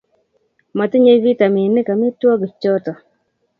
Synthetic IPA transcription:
ma˨tɪ˦ɲe˦vi˦ta˨mi˨nɪ˦ka˨mɪ˦twɔ˦ɡi˨t͡ʃɔ˦tɔ˨

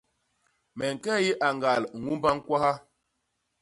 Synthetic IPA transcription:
mɛ˨ŋ̩˨kɛ˦ji˦ʔa˨ŋɡa˨lŋu˦mba˦ŋ˦kwa˦ha˦

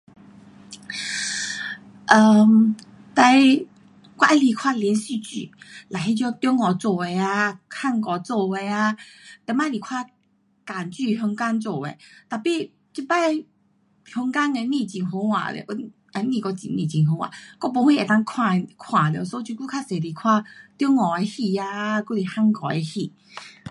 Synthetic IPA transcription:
ʔə˨˧˩m | t̪a˧j | kwa˧ʔi˦˧li˨˩kʰwa˥˧ljɛ˧˦nsy˧t͡ɕy̰˨la˨˩ɦi˦t͡ɕjɔ˧t̪jɔ˦ŋːɔ˨˩t͡so˧˩e˨˧a˧kʰa˥˧ŋkɔ˨t͡sɔ˥˧e˧a˧t̪ɛ˧˦ma˧˦li˨˩kʰwa˥˧ | ka˨˩nt͡ɕy˥˧ɦɔ˧ŋka˦nt͡so˥˧˩ḛ˧˨t̪a˨pi˥˧ | t͡ɕi˧pa˥˦e˧ | hjɔ˧ŋka˦ŋe˧nĩ˧˨t͡ɕi˨nɦo˧˦ŋwa̰˨lḛ˨ʔ | e˧˦nĩ˧˨kɔ˧t͡ɕḭ˧˨nnĩ˧˨t͡ɕi˨ŋɦo˧˦ŋwa̰˨kɔ˧po˧˦hwi˧˨e˨˩t̪a˧ŋkʰwa˧˨kʰwã˨˩lḛ˧˨so˧˦t͡ɕu˧ku˦kʰa˧se˨˩li˨˩kʰwa˥˧t̪jɔ˦ŋːɔ˨˩e˧hi˧a˧ku˥˧˦li˨˩ha˥˧ŋkɔ˨˩e˧hi˧˨

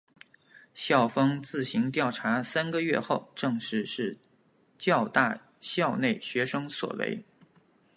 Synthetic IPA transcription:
ɕjɑ˥˩ʊfɤ˥ŋt͡sɹ̩˥˩ɕi˧˥ŋt̪̬jɑ˥˩ʊʈ͡ʂʰa˧˥sa˥nɡə˧ɥɛ˥˧xo˥˧ʊʈ͡ʂɤ˥˧ŋʂɻ̩˧˥ʂɻ̩˥˩ | t͡ɕjɑ˥˧ʊt̪a˥˧ | ɕjɑ˥˧ʊne˥˩ɪɕɥɛ˧˥ʂɤ˥ŋswɔ̰˨˩wḛ˧˥ɪ

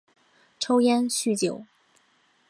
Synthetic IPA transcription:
ʈ͡ʂʰo˥ʊjɛ˥nɕy˥˩t͡ɕjo˨˩˦ʊ

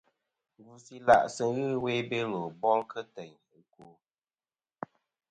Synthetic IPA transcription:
ɡu˨si˨la̰˨ʔsə˨˦ɣɨ˦we˦be˦lo˨bɔ˦lkʰə˦tɛ˨ɲ | ə˨ko˨

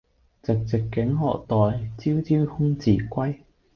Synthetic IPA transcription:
t͡sɪ˨k̚t͡sɪ˨˩kːɪ˨˥ŋɦɔ̰ː˨k̚t̪ɔː˨˩jt͡siː˥wt͡siː˥whʊ˥ŋt͡siː˨˩kʷɐ˥j

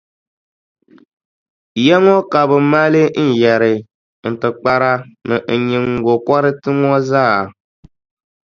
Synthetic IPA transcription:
jɛ˦ŋɔ˦ka˨βɨ˨˦ma˦le˦n̩˨jɛ˨ɾɪ˨ | n̩˨tɨ˨k͡pa˨ɾa˦nɨ˨n̩˨ɲi˨ŋ˨ɡo˨kɔ˦ɾɨ˦tɨ˦ŋɔ˦zaː˦˨

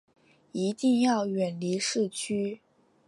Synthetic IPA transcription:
i˧˥t̪i˥˧ŋjɑ˥˩ʊɥɛ˨˩nli˧˥ʂɻ̩˥˩t͡ɕʰy˥

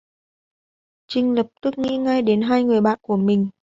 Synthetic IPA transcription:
t͡ɕï˧ŋ̟lə˨˩p̚t̪ɨ˦˥k̚ŋḭ˧˥ŋa˧jɗe˨˦nɦaː˧jŋɨ˨˩əjɓa̰ː˧˨nku˧˩əmï˨˩ŋ̟

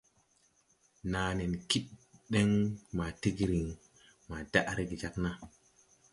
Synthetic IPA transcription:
naː˨ne˨nki˦ɗɗe˦ŋma˨ti˦ɡɾi˨ŋ | ma˨d̥a˦ʔɾe˦ɡi˨d͡ʒa˦kna˦

